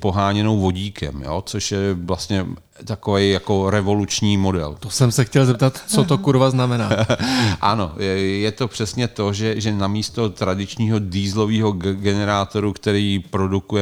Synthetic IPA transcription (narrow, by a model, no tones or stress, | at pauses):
po̞ɦaːɲɛnowvo̞ɟiːkʰɛ̰mjo̰ːt͡soʃjɛvlast̪ɲɛ | t̪akovejjako̞ɾɛvo̞lut͡ʃɲiːmo̞dɛ̰lt̪osɛmsɛxcɛlzɛp̚t̪at̪t͡sot̪okuɾvaznamɛnaːʔano̞jɛt̪o̞pr̥ɛsɲɛt̪o̞ʒɛʒɛnamiːst̪o̞t̪ɾadɪt͡ʃɲiːɦo̞diːzlo̞viːɦo̞ɡɛnɛɾaːt̪o̞ɾukt̪ɛɾiːpɾo̞dukujɛ